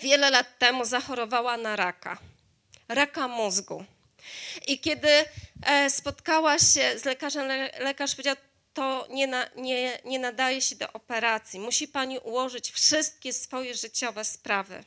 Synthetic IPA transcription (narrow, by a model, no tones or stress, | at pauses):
vʲjɛlɛlat̪ːɛmuzaxɔɾɔvawanaɾaka̰ | ɾakamuzɡṵ | ʔikʲɛd̪ɘ | spɔt̪kawaɕɛzlɛkaʐɛmlɛkaʂpɔvʲjed͡ʑaw | t̪ɔɲɛnaɲɛɲɛnad̪ajɛɕɛd̪ɔ̰ʔɔpɛɾat̪sʲjimuɕipaɲiʔuwɔʐɘt͡ɕfʂɘst̪̚kʲɛsfɔjɛʐɘt͡ɕɔvɛspɾavɘ̰